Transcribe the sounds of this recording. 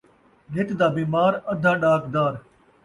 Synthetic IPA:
ɡʱɪʈd̪aːbiːmaːɾəd̪ʱãːɗaːkd̪aːɾ

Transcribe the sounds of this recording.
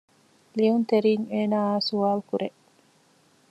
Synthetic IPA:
liunt̪eɾiːŋeːnaːsuaːlkuɾʔe

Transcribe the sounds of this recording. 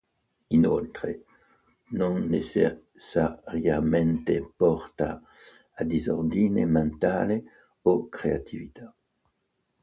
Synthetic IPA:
inolt̪ɾe | nonːese | saɾjament̪epɔrt̪a | ad̪izord̪inement̪aːle | okɾeat̪ʰivit̪a

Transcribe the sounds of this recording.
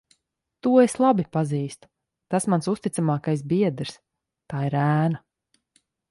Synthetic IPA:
t̪uɔeslˠabipaziːst̪u̥ | t̪asmansust̪it̪samaːkajsbiɛd̪ɾs | t̪aːiɾæːna

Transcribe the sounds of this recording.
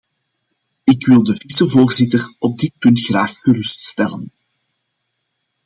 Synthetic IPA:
ɪkwɪlˠdəvisəvoːrzɪtərɔb̚dɪt̚pɵntxraːxːərʏststɛlən

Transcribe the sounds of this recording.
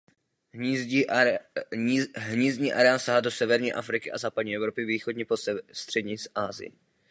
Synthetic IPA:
ɦɲiːzɲiːʔaɾɛasaɦado̞sɛvɛɾɲiːʔafɾɪkɪʔa̰zaːpadɲiːʔɛvɾo̞pɪviːxodɲɛpost̪r̥ɛdɲisʔaːzɪ̰jɛ̰

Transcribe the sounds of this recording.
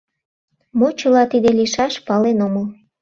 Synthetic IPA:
mot͡ɕə̆lɑt̪id̪eliʃɑʃpɑlenoməl

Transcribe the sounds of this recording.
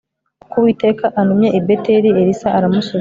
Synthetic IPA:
kuβwiːte̞ːkaʔanumje̞ʔibeteɾieɾisaʔaɾamusu

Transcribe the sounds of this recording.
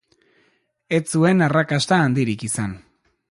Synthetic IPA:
e̞t͡sue̞narakast̪aːnd̪iɾikisan

